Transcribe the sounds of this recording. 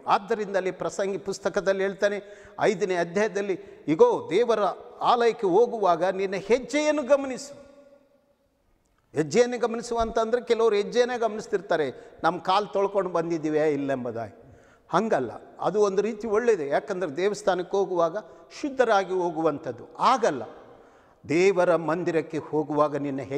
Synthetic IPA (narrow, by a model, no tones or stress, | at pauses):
aːd̪ːɐɾind̪ɐlːipɾɐsɐŋɡipust̪ɐkɐd̪ɐlːiɦeːɭt̪aːne | ɐ̰jd̪ɐneːɐd̪ʱjaːjɐd̪ɐlːiiɡoːd̪ɛːʋɐɾɐaːlɐjɐkːeɦoːɡuʋaːɡɐninːɐhed͡ʒːejɐnːuɡɐmɐnisu̥ | ɦed͡ʒːɛjɐnːuɡɐmɐnisuʋɐnt̪ɐnd̪ɐɾekɛluʋɐɾuɦɛd͡ʒːɛjɐnːeːɡɐmɐnisd̪iɾt̪aːɾenɐmːɐkaːlt̪ɔɭɐkoɳɖbɐnd̪id̪iːʋeilːembɐd̪a̰ːji | hɐŋɡɐlːɐ̰ɐ̰d̪uo̞nd̪uɾiːt̪ioɭːed̪ejaːkɐnd̪ɐɾed̪ɛːʋɐst̪ʰaːnɐkːeɦoːɡuʋaːɡɐʃud̪ʱːɐɾaːɡiɦo̞ːɡuʋɐnt̪ɐd̪ːuaːɡɐlːɐ̰ | d̪ɛːʋɐɾɐmɐnd̪iɾɐkːe̞ho̞ːɡuʋaːɡɐninːɐɦe